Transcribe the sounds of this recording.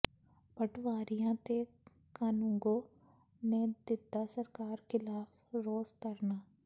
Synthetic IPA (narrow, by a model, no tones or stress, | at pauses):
bəʈʋaːɾijãt̪e | kaːnũːŋɡo | ned̪ɪt̪ːasɐɾkaːɾxɪlaːf | ɾoːzkɐɾnaː